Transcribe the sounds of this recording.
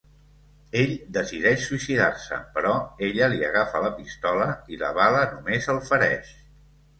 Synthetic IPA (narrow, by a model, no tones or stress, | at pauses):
eʎd̪əsiðɛʃsuisiða̰rsə̰pəɾɔeʎəliəɣafələpist̪ɔləilə̰βalənumezəlˠfəɾɛ̰ʃ